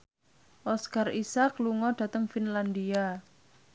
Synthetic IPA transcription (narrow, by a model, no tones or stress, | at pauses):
ʔɔskarisakluŋɔɖ̥ä̤t̪əŋfinland̪ia